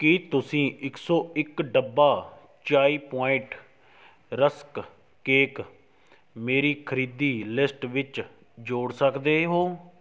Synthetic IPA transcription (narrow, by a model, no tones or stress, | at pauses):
kiːt̪ʊsĩːʔɪksɔːɪkɖəbːaː | t͡ʃaːiːpɔːɪ̃ʈ | ɾəsk | keːk | meːɾiːkʰəɾiːd̪iːlɪsʈʋɪt͡ʃ | d͡ʒoːɽsəkd̪eːɦoː